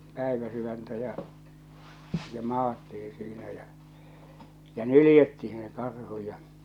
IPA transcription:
pæˑiʋæsyʋæntæ jɑ̟ jɑ mɑːtːii siːnæ jæ jæ nylĭjetːihĩː se kɑrhu jɑ

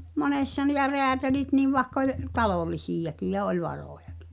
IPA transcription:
monesːɑ nĭ jɑ reætælit niʋ ʋɑĕkː olʲ tɑloˑlisijɑkij jɑ olʲ ʋɑroˑjɑki̥

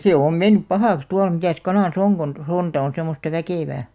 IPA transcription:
seˑ om menːyp pɑhɑˑks tuɑl mitæˑs kɑnɑˑs oŋ kon sontɑ on̞ semːostɑ ʋækeˑʋæː

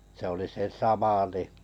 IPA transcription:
se oli se sɑmɑ ni

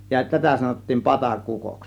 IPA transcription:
jɑ tætæ sɑnotːiːn pɑtɑkukos

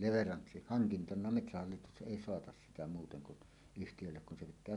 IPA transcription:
hɑŋkintɑnɑ metsæhɑlːitus ʔeˑi soɑtɑs sitæ muːteŋ kun yhtijølːek kun se pitˑæː

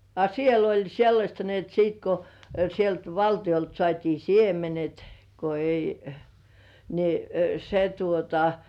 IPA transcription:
ɑ siel olʲ selːɑsʲtɑ ni et siːt ko sielt ʋɑltij̆olt sŏɑˑtʲiː siemenet ko ei ni se tuotɑ

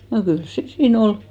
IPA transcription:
no kyls se siːn ol

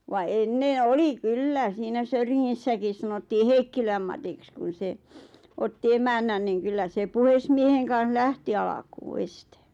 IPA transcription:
ʋɑ enːẽː oli kylːæ siːnæ søyriŋːisːækis sɑnotːiː heikːilæm mɑtiks kun̞ se otːi emænːæn niːŋ kylːæ se puhesmieheŋ kɑ̃ːh læhti ɑlɑkuː este

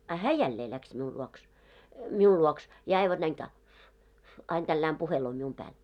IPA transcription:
ɑ hæː jælːeː læks miul luoks miul luoks jɑ ɑiʋɑn næin tɑː ɑin tælːæːm puheloː mium pæːl

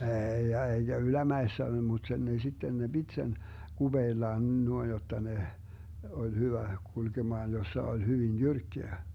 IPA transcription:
eːij jɑ eiɡ̊æ ylæmæesːæ mut sen ne sitːen ne b̥it sen ɡ̊ub̥eːlːɑːn nuoin jotːɑ ne olʲ hyʋæ kulkemɑːn josːɑ olʲ hyʋin jyrkːeæ

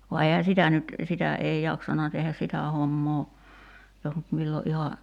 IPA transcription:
ʋɑ eihæ sitæ nyt sitæ ei jɑksɑnɑ tehæs sitæ homːoː jos nyt milːo ʔihɑ

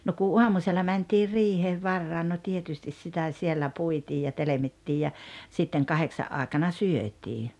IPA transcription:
no ku uɑmuselːɑ mæntiːr riːheːʋ ʋɑrːɑin no tietystis sitæ sielːæ puitiːj jɑ telemitːiːj jɑ sitːeŋ kɑheksɑʔ ʔɑːĕkɑnɑ syøtʲiː

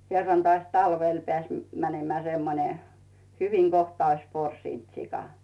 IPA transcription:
kerːɑn toɑˑs tɑlʋel pĕæˑs mænemĕæˑ semːone hyʋiŋ ɡ̊ohtɑ ois porsiˑnt sikɑ

